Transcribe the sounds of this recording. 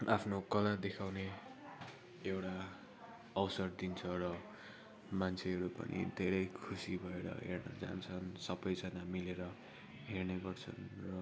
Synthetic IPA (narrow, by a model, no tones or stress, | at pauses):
apʰnokʌlad̪ekʰawne | ewʈa | ʌwsʌrd̪int͡sʰʌrʌ | mant͡sʰeɦʌɾupʌ̰nʔḭd̪ʱeɾʌjkʰusibʱʌeɾʌ̰ɦḛrnʌ̰d͡za̰nt͡sʰʌnsʌbʌjd͡zʌnamileɾʌ | ɦerneɡʌrt͡sʰʌ̰nrʌ